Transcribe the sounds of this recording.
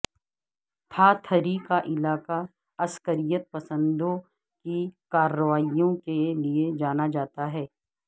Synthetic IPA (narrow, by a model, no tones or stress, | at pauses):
t̪ʰaːt̪ʰəɾikaʔɪlaːka | ɐskəɾijət̪̚pɐsə̃nd̪õ | kikaːɾːəʋaːijõkelied͡ʒaːnad͡ʒaːt̪aɦɛː